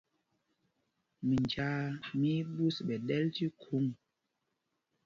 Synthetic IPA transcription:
mi˨nd͡ʒa˨˦mi˦bu˦sɓɛ˨ɗɛ˦lti˦kʰu˨˦ŋ

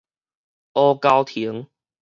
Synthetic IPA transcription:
ɔ˦ka˦wt̪ʰi˨˦əŋ

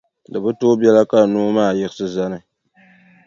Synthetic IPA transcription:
lɨ˨bɨ˦toː˦bjɛ˦la˦ka˦˨no˦maː˦˨jɪ˦ɡɨ˦sɨ˦za˦nɨ˨

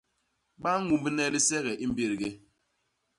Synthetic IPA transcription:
ɡ͡ba˦ŋ˦ŋu˨˦bɨ˦ne˦li˦se˦ɣe˨ʔi˦m̩˦bi˨ɾi˨ɡe˦

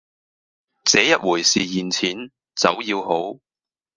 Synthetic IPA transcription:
t͡sɛː˨˥jɐ˥t̚wuː˨˩jsiː˨jiː˨nt͡sʰiː˨˥n | t͡sɐ̰˨˥wjiː˧who˨˥w

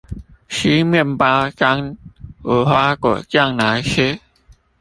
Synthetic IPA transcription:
ɕi˦mi˥˩˨mpa˧ka˧ŋo˨˦hwa˦˥kɔ̰˨˩˨t͡ɕja˥˧ŋna˨˧˦jxe˦˥

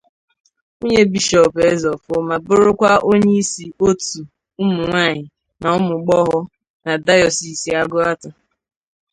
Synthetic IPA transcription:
o˦ɲe˦bi˦ʃɔ˨pe˦zɔ˨fʊ˦ma˨bʊ˦ɾʊ˦kʷa˦o˦ɲe˦i˦si˨o˦tu˨ | ʊ˦mʊ˨ŋʷaː˦˨ɲɪ˨ | na˨ʊ˦mʊ˨ɡ͡bɔ˦ɦɔ˦ | na˨da˦jɔ˨si˨si˨˦a˦ɡʊ˦a˦tʊ˨

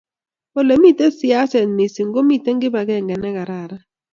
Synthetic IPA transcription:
o˨le˨mi˦˨tɛ˦sɪ˦a˦sɛ˨mi˨si˨ŋɡo˦mi˦˨tɛ˦ŋɡɪ˦ba˨ɡɛ˦˨ŋɡɛ˨nɛ˦ka˨ɾa˨ɾa˦

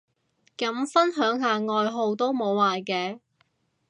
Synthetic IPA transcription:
kɐ˨˥mfɐ˥nɦœː˨˥ŋɦaː˨ŋɔː˨jɦo˨˧wt̪o˥wmo˨˧wːaː˨jkɛː˧

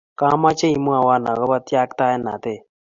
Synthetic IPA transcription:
ka˦ma˦t͡ʃe˦i˨mu˦a˨wa˦na̰˨ɣɔ˦βa˦tja˦kta˦ɛ˦na̰˨t̪e˦˨

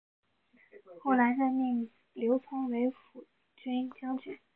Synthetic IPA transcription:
xo˥˩ʊla˧˥ɪʂə˥˧mi˥˩ŋ | ljo˧˥ʊt͡sʰʊ˥ŋwe˧˥ɪfu˨˩ | t͡ɕe˥i˥˩ŋt͡ɕjɑ˥ŋt͡ɕy˥˩˦

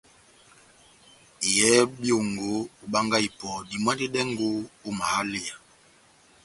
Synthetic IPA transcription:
i˨jɛ˨˦bjo˨ŋɡo˨˦u˨ba˦ŋɡa˦i˨pɔ˨di˨mwa˦di˦dɛ˦ŋɡo˦o˦ma˨ha˦le˦a˨

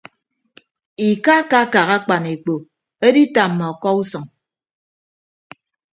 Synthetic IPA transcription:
i˨ka˦ka˦ka˨ɣa˦k͡pa˨ne˨k͡po˨ | e˦di˦ta˨m̩ː˨a˨ɔ˨kɔ˦u˦sɔ˨ŋ

